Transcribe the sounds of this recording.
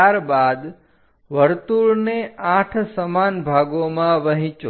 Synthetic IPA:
aɾbad̪ | ʋəɾt̪uɾneãʈʰsəmanbʱaɡomãʋəɦĩt͡ʃo

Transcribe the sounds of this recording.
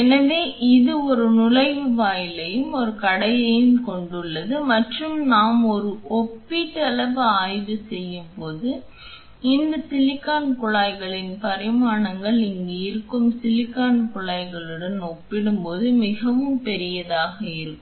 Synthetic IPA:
ɛnɐʋeːʔɪðɯɔɾɯnʊlɐɪʋɯʋaːjɪlɐjɯmɔɾɯkɐɽɐjɐjɪnkɔɳɖɯɭːɐðɯmɐʈrɯmnaːmɔɾɯɔpːiʈːɐlɐʋɯaːjʋɯsɛjːɯmpoːðɯ | ɪnd̪ɐsɪlɪkːaːnkʊɭaːɪɣɐɭɪnpɐɾɪmaːnɐŋɡɐɭɪŋɡeɪɾɯkːɯmsɪlɪkːaːnkʊɭaːɪɣɐɭɯɽɐnɔpːɪɽɯmpoːðɯmɪɣɐʋɯmpɛɾɪjɐðaːɣɐɪɾɯkːm

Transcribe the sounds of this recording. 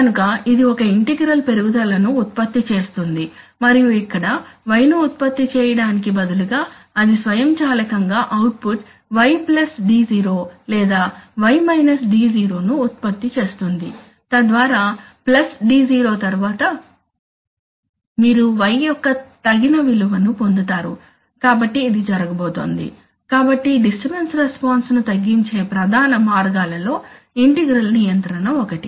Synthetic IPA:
kɐnukɐid̪iɔkɐiɳʈiɡɾɐlpe̞ɾuɡud̪ɐlɐnuːt̪̚pɐt̪ːit͡ʃe̞ːst̪und̪i | mɐɾijuikːɐɽɐʋɐjnuːt̪̚pɐt̪ːit͡ʃɛːjɐɽaːnik̬ibɐd̪uluɡaː | ɐd̪isʋɐjɐmt͡ʃaːlɐkɐŋɡaːʔɐwʈ̚puʈ | ʋɐjplɐsɖiːziːɾoːlɛːd̪aːʋɐjmɐjnɐsɖiːziːɾo̞ːnuːt̪̚pɐt̪ːit͡ʃe̞ːst̪und̪i | t̪ɐd̪ʋaːɾaːplɐsɖiːd͡ʒiːɾo̞ːt̪ɐɾuʋaːt̪ɐ | miːɾuʋɐjjɔkːɐt̪ɐɡinɐʋiluʋɐnupo̞nd̪ut̪aːɾṵ | kaːbɐʈːiːd̪id͡ʒɐɾɐɡɐboːt̪o̰ːnd̪ḭ | kaːbɐʈːiɖisʈibensɾespaːnsnut̪ɐɡːiɲt͡ʃe̞ːpɾɐd̪ʱaːnɐmaːɾɡaːlɐlo̞ː | iɳʈiɡɾɐlnijɐnt̪ɾɐnɐɔkɐʈi

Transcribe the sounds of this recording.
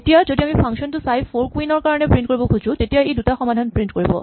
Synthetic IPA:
etijazodiamipʰaŋsɔntʊsajʰoɹkwinɔɹkaɹɔnɛpɹintkoɹibɔkʰuzʊ̃tetijaejdutaxɔmadʱanpɹintkoɹibɔ̰

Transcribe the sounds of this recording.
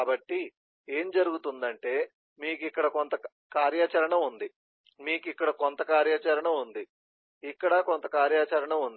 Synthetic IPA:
aːbɐʈːi | eːmd͡ʒɐɾuɡut̪und̪ɐɳʈe̞ː | miːkikːɐɽɐkont̪ɐ | kaːɾjaːt͡ʃɐɾɐɳɐmund̪i | miːkikːɐɽɐkont̪ɐkaːɾjaːt͡ʃɐɾɐɳɐmund̪i | ikːɐɽɐkont̪ɐkaːɾjaːt͡ʃɐɾɐɳɐmund̪i

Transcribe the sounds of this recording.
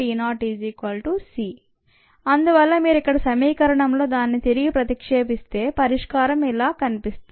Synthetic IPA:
inaːʈiːd͡ʒikʋɐlʈusiː | ɐnd̪uʋɐlːɐmiːɾikːɐɽɐsɐmiːkɐɾɐɳɐmlo̞ːd̪aːnːit̪iɾiɡipɾɐt̪ikʂeːpist̪e̞ːpɐɾiʂkaːɾɐmilaːkɐnipist̪u

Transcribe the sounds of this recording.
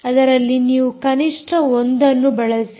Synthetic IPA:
ɐd̪ɐɾɐlːiniːʋukɐniʂʈʰɐond̪ɐnːubɐɭɐsi̥

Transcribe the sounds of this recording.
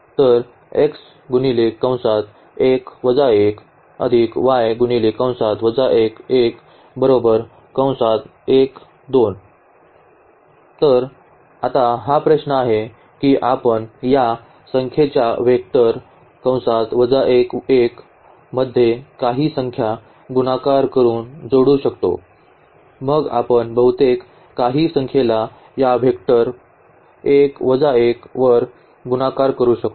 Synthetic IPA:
t̪əɾ | eks | ɡunilekːə̃w̃sat̪ | ekʋəd͡zaek | ə̰d̪ʱikʋajɡunilikːə̃w̃sat̪ʋəd͡zaʔekek | bəɾobəɾ | kə̃w̃sat̪ | ek | d̪on | t̪əɾ | at̪aɦapɾəɕnəaɦe | kiʔapənja | səŋkʰet͡ɕjaʋek̚ʈəɾ | kə̃w̃sat̪ʋəd͡zaʔekek | məd̪ʱːjekaɦiːsəŋkʰja | ɡunakaɾkəɾuːnd͡zoɽuːɕəkt̪o̰ | məɡa̰pəɳbəɦut̪ekː | aɦiːsəŋkʰjela | jaʋekʈəɾ | ekʋəd͡zaekʋəɾ | ɡunakaɾkəɾuːɕək̚t̪o

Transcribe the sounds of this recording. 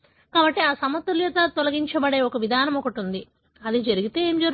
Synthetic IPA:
kaːbɐʈːiaːsɐmɐt̪ːuljɐt̪aːt̪ɔlɐɡiɲt͡ʃɐbɐɽe̞ːɔkɐʋid̪ʱaːnɐmɔkɐʈund̪i | ɐd̪id͡ʒɐɾiɡit̪e̞ːeːmd͡ʒɐɾ

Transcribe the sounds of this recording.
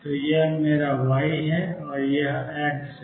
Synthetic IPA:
t̪oːjeɦmeːɾaʋaːiɦɛɔːɾjɐɦɛːʈs

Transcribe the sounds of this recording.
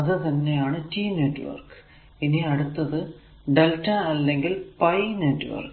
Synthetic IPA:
ɐðɨt̪ɐnːejaːɳɨtiːneʈːʋɐ̰rk | iniɐɽut̪ːɐðɨ | ɖeltːɐɐlːe̞ŋɡilpɐjneʈːʋɐ̰rk

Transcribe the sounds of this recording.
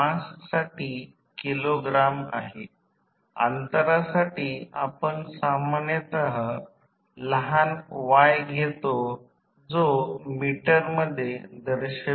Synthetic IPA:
asksaʈiː | kiloɡɾama̰ɦe | a̰nt̪əɾasaʈiːa̰pəɳsamanjət̪əɦə | ləɦanʋajɡʱet̪o | d͡zomiʈəɾməd̪ʱːjed̪əɾɕə

